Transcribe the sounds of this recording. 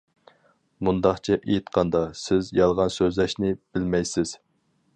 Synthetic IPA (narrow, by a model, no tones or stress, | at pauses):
mund̪ɑχt͡ʃʰɛʔejt̪qʰɑnd̪ɑsɪzjɑlˠʁɑnsøzlæʃnɪb̥ɪlmɛjsɪz̥